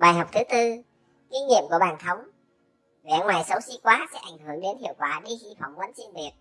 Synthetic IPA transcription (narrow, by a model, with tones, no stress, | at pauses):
ɓaː˨˩jɦa˨˩wk͡p̚t̪ʰɨ˨˦t̪ɨ˧ | ki˨˦ɲḭ˧˨əmku˧˩əɓaː˨˩nt̪ʰə˨˦wŋ͡m | vɛ̰˧˩ŋwaː˨˩jsə˨˦wsi˧˥kwaː˨˦sɛ̰˧˥ʔa˧˩jŋ̟hɨ˧˩əŋɗe˨˦nhḭ˨˧˨əwkwaː˧˩ɗi˧˦xi˧fa̰˧˩wŋ͡mvə˨˦nsi˧nvi˨˩ət̚